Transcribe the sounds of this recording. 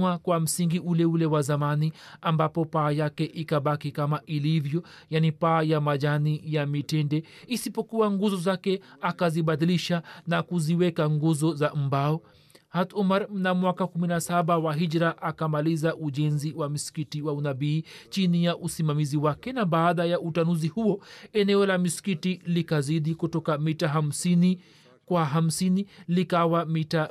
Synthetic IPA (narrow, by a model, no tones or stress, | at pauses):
akwam̩siŋɡiulɛulɛwazamaniambapɔpaːjakɛʔikaɓakikamaʔilivjɔ | janipaːjamaʄanijamitɛndɛ | isipɔkuwaŋɡuzɔzakɛakaziɓaðiliʃanakuziwɛkaŋɡuzɔzam̩baɔ | hat̪umaɾm̩namwakakuminasaɓawaɦid͡ʒɾaʔakamalizaʔuʄɛnziwamisi̥kitiwaunabiːt͡ʃinijaʔusimamiziwakɛnaɓaːðajaʔutanuzihuɔɛnɛɔlamisi̥kitilikaziɗikutɔkamitaɦam̩sini | kwaɦam̩sinilikawamita